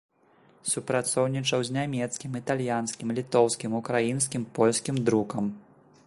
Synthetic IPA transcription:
supɾat̪sɔwnʲit͡ʂɐwzʲnʲamʲɛt̪skʲimit̪alʲjanskʲimlʲit̪ɔwskʲimukɾajins̬kʲimpɔlʲsʲkʲimd̪ɾukɐm

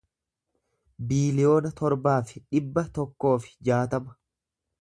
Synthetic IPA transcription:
biːlɪjo̞ːnɐt̪ɔɾbaːfɪ̥ᶑɪbːɐt̪ɔkːo̞ːfɪ̥d͡ʒaːt̪ɐmɐ̥

